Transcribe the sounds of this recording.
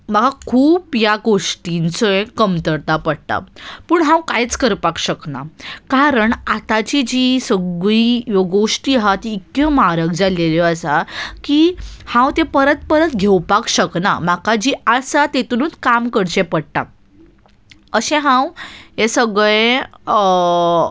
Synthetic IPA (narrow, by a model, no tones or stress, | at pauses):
m̤əkakʰuːpjaɡoʂʈint͡səẽkəmt̪əɾt̪apəɽt̪a̰puːɳɦãwkajt͡skəɾpakɕəkna̰kaɾəɳat̪at͡ɕid͡ʑisəɡɭijoɡoʂʈiːɦat̪iːkemaɾək̚d͡zaleleəsakiːhãwt̪epəɾət̪̚pəɾət̪ɡʱewpakɕəkna̰makad͡ʑiːasat̪et̪unut͡skamkəɽt͡ɕepəɽʈ̪a̰ | əɕẽɦãwesəɡɭẽ